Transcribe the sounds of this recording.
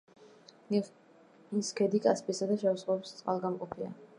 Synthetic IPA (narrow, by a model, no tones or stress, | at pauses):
iskʰɛd̪ikʼaspʼisad̪aʃɛusχɔpst̪sʼqʼa̰lˠɡamqʼɔpʰia̰